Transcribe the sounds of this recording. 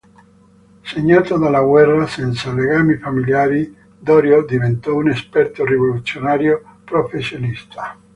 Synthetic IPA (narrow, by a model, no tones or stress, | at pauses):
seɲːaːt̪od̪alːaɡwɛrːasɛnt̪saleɡaːmifamiljaːɾi | d̪ɔːɾjod̪ivent̪ɔunespɛrt̪orivolut̪sjonaːɾjopɾofesːjonist̪ʰḁ